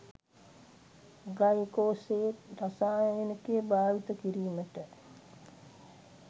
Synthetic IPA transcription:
ɡajkoːseːt̪ɾasaːjjenəkejəbaːʋit̪əkiɾiːməʈə

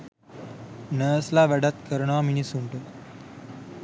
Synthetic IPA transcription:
nəəslaʋəɽat̪̚kəɾɳʋaminisuɳʈə

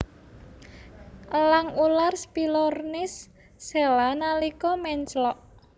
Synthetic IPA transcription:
ʔəlaŋularspilɔrnɪsː | ɛlanalikɔmɛɲt͡ʃlɔʔ

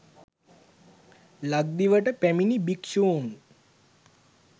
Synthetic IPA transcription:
laɡ̚d̪iʋəʈəpæminibikʃoːŋ

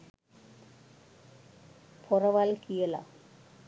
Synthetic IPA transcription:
pʰɔɾɐʋalkijela̰

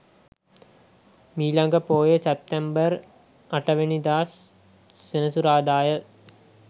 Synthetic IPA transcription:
miːlaŋɡəpoːjesep̚t̪embər | aʈəʋenid̪aːsː | enəsuɾaːd̪aːjə

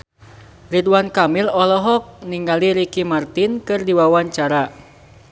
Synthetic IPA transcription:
ridwankamilɔlɔɦɔk̚niŋɡaliɾikimart̪inkɨrdiwawaɲt͡ʃaɾa

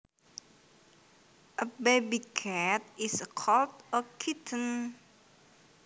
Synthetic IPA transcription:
ʔəbebikʰɛt̚isəkʰɔltɔkʰitʰə̃n

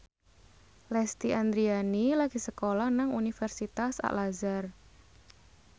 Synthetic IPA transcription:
lɛst̪iʔand̪ɾianilaɡ̥i̤səkolahnaŋunifɛrsit̪asa̰ʔlazar

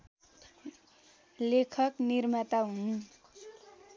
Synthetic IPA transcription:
lekʰʌknirmat̪aɦun

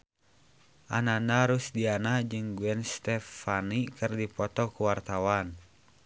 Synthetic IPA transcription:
ʔananaɾusdianad͡ʒɨŋɡuɛnst̪ɛfanikɨrdipɔt̪ɔkuwart̪awan

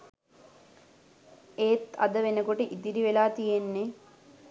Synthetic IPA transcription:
eːt̪ɐ̰d̪əʋenəkoʈəʔid̪iɾiʋelaːt̪ijenːe

